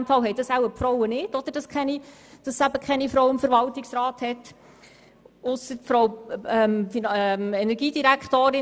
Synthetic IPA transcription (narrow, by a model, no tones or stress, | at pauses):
mfɑlɦɛjd̥ɑsæwəpfɾɔwənɪd̥ɔd̥̪əɾd̥ɑskχɛni | d̥ɑsːæb̥əkχɛnifɾɔʊwɪmfəɾʋɑltiksɾɑːthɛt | ʊsəfɾɔwɛmfinmɛnɛɾɡiːdiɾækχtoːɾɪ